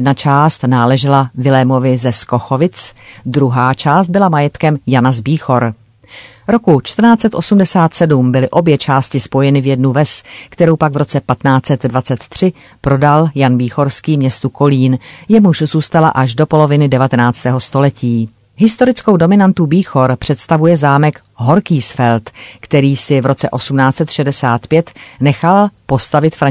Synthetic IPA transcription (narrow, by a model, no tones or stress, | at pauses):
dnat͡ʃaːst̪naːlɛʒɪlavɪlɛmo̞vɪzɛsko̞xo̞vɪt͡sd̪ɾuɦaːt͡ʃaːst̪̚bɪlamajɛt̪kɛmjanazbiːxo̞ɾ | ɾo̞kut͡ʃt̪r̩naːt͡sɛt̪ʔo̞sumdɛsaːt̪sɛdumbɪlɪʔo̞bjɛt͡ʃaːscɪspo̞jɛnɪvjɛdnuvɛskt̪ɛɾowpaɡvɾo̞t͡sɛpat̪naːt͡sɛt̪dvat͡sɛt̪ːr̝̥ɪ | pɾo̞daljanbiːxo̞ɾskiːmɲɛst̪uko̞liːnjɛmuʃzuːst̪ala̰ʔaʒdo̞po̞lo̞vɪnɪdɛvat̪ɛnaːt͡st̪ɛːɦo̞st̪o̞lɛciː | ɦɪst̪o̞ɾɪt͡sko̞wdo̞mɪnant̪ubiːxo̞ɾpr̥ɛt̪st̪avujɛzaːmɛk | ɦo̞ɾkiːsfɛlt̪kt̪ɛɾiːsɪvɾo̞t͡sɛʔo̞sumnaːt͡sɛt̪ʃɛdɛsaːt̪pjɛt̪nɛxalpo̞st̪avɪt̪fɾa